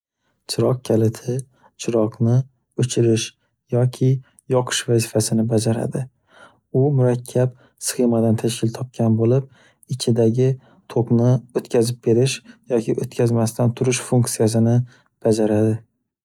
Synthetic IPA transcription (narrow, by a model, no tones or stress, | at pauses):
t͡ʃʰɪɾɒq̚kʲʰalɪt̪ʰɪ | t͡ʃʰɪɾɒqnɪ | ɵt͡ʃʰɪɾɪʃ | jɒkʲʰɪ | jɒqʰɨ̥ʃvazɪfasɪnɪbad͡ʒaɾa̰d̪ɪ | ʊmʊɾakʲʰːap | sɨ̥χemad̪ant̪ʰaʃkʲʰɪlt̪ʰɒp̚kʲʰanbolɪp̚ | ɪt͡ʃʰɪd̪aɡʲɪ | t̪ʰoqnɪot̪kʲʰazɪp̚be̞ɾɪʃjɒkʲʰɪʔot̪kʲʰazmast̪ant̪ʰʊɾɪʃfuŋkʲt̪sijas̬ɪnɪ | b̥ad͡ʒaɾad̪ɪ